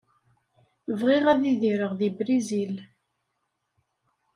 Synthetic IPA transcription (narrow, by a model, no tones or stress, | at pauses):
vʁiʁæðiðiɾəʁðibɾizil